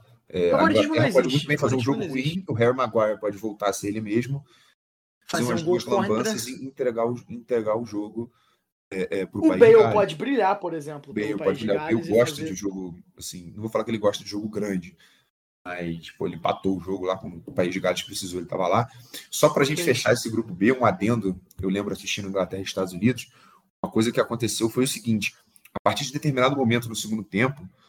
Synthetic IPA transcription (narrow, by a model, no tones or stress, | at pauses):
ɛa̰ɡɔɾɐɛpɔd͡ʒɪmũjt̪ʊbẽj̃fazeɾũʒoɡʊhuĩʊɦɛɾmaɡwajɐɾpɔd͡ʒɪvowt̪aɾseelɪmeʒmʊ | ẽũɐzd̪uɐzlɐ̃bɐ̃sɐzẽĩt̪ɾeɡaɾʊĩt̪ɾeɡaʊʒoɡʊ | ɛʔɛpɾʊʊpaibejwapɔd͡ʒɪbɾiʎapoɾezẽmplʊbejowpɔd͡ʒɪbɾiʎaʊbejwɡɔʃt̪ɐd͡ʒɪʒoɡʊasĩnɐ̃vofalakɪelɪɡɔʃt̪ɐd͡ʒɪʒoɡʊɡɾɐ̃d͡ʒɪ | mɐsfojlɪĩpa̰t̪owʊʒoɡʊlakwɐ̃nd̪ʊpaiʒd͡ʒɪɡalɪʃkpɾesizowelɪt̪a̰vɐlasɔpɾɐaʒẽnt͡ʃɪfeʃaesɪɡɾupʊbeũad̪ẽnd̪ʊewlẽbɾʊasiʃt͡ʃĩnʊ̃ĩŋɡlat̪ɛɦɐd͡ʒɪʃt̪ad̪ʊzunid̪ʊs | ũmɐkojzɐkɪakõnt̪esewfojʊsiɡĩnt͡ʃɪ̥ | apaχt͡ʃiɾd͡ʒɪd̪et̪eɾmĩnad̪ʊmomẽnt̪ʊnʊsɪɡũd̪d̪ʊt̪ẽmpʊ